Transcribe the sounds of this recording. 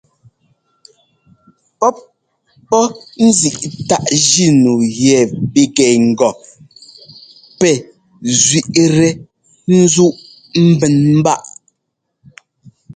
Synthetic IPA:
pɔ˦p̚ | pɔ˦n̩˦zi˨ʔta˦ʔd͡ʒi˦˨nu˨jɛ˨bi˨ɡɛ˨ŋ̩˨ɡɔ˨ | pɛ˨ | zɥi˨ʔɾɛ˦ | n̩˦zu˦ʔ | m̩˦bɛ˨nm̩˦ba˦ʔ

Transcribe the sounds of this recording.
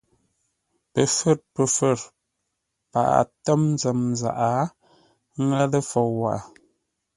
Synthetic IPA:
pə˨fə˦˨t̚pə˨fə˦˨ɾ | pa̰˨ʔa̰˨tə˦mnzə˨mza̰˨ʔa˨˦ | ŋa˦lə˦fɔ˨wa̰˨ʔa˨

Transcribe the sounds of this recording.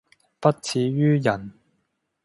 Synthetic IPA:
pɐ˥t̚t͡sʰiː˨˧ɥyː˥jɐ˨˩n

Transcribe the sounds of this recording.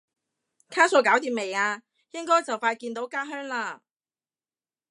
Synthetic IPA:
kʰaː˥soː˨˧kaː˨˥wt̪iː˨me˨jaː˧ | jɪ˥ŋkɔː˥jt͡sɐ˨wfaː˧jkiː˧nt̪o˨˥wkaː˥ɦœː˥ŋlaː˧

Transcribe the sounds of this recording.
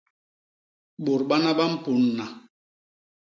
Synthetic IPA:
ɓo˨ɾɓa˦na˦ɓa˦m̩˦˨pu˨˦nːa˨

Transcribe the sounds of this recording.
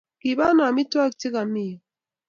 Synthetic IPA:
ki˨ba˦na˨mi˦twa˦˨kti˦ka˨mi˦˨

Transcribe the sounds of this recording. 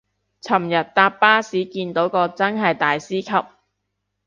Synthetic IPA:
t͡sʰɐ˨˩mjɐ˨t̚t̪aː˧ppːaː˥siː˨˥kiː˧nt̪o˨˥wkɔː˧t͡sɐ˥nɦɐ˨jt̪aː˨jsiː˥kʰɐ˨p̚

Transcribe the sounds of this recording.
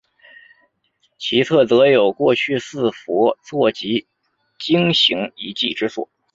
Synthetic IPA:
t͡ɕʰi˧˥t͡sʰɤ˥˩t͡sɤ˧˥jo˨˩ʊkwɔ˥˧t͡ɕʰy˥˧sɹ̩˥˩fɔ˧˥t͡sʰwɔ˥˩t͡ɕi˧˥ | t͡ɕi˥ŋɕi˧˥ŋi˧˥t͡ɕi˥˩ʈ͡ʂɻ̩˥swɔ̰˨˥˩

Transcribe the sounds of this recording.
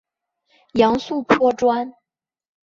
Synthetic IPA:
jɑ˧˥ŋsu˥˩pʰwɔ˥ʈ͡ʂwa˥n

